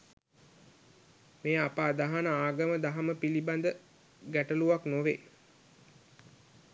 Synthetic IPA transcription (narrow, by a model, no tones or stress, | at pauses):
meːapaːd̪aɦanəaːɡəməd̪aɦaməpiliband̪ə | ɡæʈəluʋaknoʋe